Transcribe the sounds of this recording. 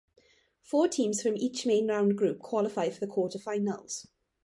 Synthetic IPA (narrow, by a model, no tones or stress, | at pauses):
fɔːtʰĩːmz̥fɹə̃miˑt͡ʃmẽɪ̃nɹãʊ̃nɡɹʉːˑp̚kʰw̥ɒlɪfaɪd̥fəðəkʰɔˑtəv̥faɪnə̰lˠz̥